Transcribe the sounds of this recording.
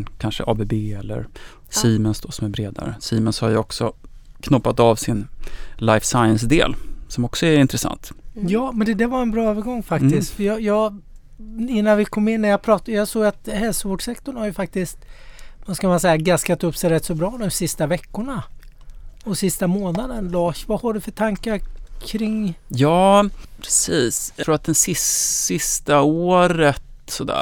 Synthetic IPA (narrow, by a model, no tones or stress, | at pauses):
kʰanʂə̰ʔɑːbebeːɛlːə̰ɾ | siːmənsd̪oːsɔmæɾbɾeːd̪a̰ɾə̰siːmənshaɾjəɔksɔkʰnʊpːat̪aːvsɪnlajfsajəns̬d̪ḛːlsɔmɔksɔɛɾɪnt̪ɾɛsa̰nt̪jɑːmɛnd̪ɛd̪æɾvaɾɛnbɾɑːøːvəɾɡɔŋːfakt̪ɪsk̪t̪fœjɑjɑː | ɪnːanvɪkʰɔmːɪnːæɾjɑpʰɾɑːt̪ajɑsoːɡat̪hɛlsʊvoːɖʂɛkt̪ɔɳhaɾjɵfak̚t̪ɪst̪vaskamansɛjːaɡaskat̪ɵpːsɛjɾɛt̪ːsɔbɾɑːd̪ɔmsɪst̪avɛkːʊɳa | ɔsɪst̪amoːnad̪ənlɑːʃvahaɖɵfœʈʰaŋkaɾkʰɾɪŋjɑːpʰɾɛsiːsɾuːɾat̪̚d̪ɛnsɪssɪst̪aoːɾət̪sɔd̪æ̰ː